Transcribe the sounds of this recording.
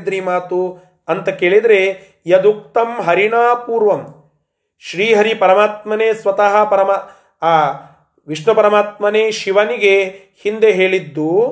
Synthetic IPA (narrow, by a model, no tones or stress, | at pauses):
d̪ɾimaːt̪u | ɐnt̪ɐkeːɭid̪ɐɾe | jɐd̪ukt̪ɐmɦɐɾiɳaːpuːɾʋɐm | ʃɾiːɦɐɾipɐɾɐmaːt̪mɐneːsʋɐt̪ɐɦɐpɐɾɐma | ʋiʂɳɐpɐɾɐmaːt̪mɐneːʃiʋɐniɡe | hind̪eɦeːɭid̪ːu